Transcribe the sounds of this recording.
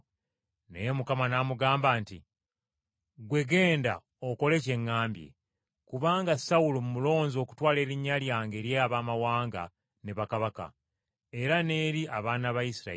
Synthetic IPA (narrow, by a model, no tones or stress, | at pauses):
nejemukamanamuɡaːmbaːnti | ɡwe̞ɡe̞ːnda̰ | oko̞le̞ce̞ŋːaːmbjḛ | kuβaːŋɡasawulomumulo̞ːɲzo̞ːku̥twaːle̞ːɾiɲːaljaːŋɡe̞ːɾjeaβaːmawaːŋɡa̰ | ne̞βakaβaka̰ | e̞ɾane̞ːɾiʔaβaːnaβajisiɾa̰ei